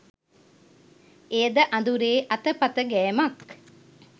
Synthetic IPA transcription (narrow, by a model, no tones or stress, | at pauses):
ejəd̪əʔɐnd̪uɾeːʔɐt̪əpɐt̪əɡɛːmɐk